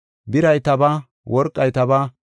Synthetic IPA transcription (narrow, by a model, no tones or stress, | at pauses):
bɪɾɐjt̪ɐbɐ | wʔɔɾkʼːɐjt̪ɐba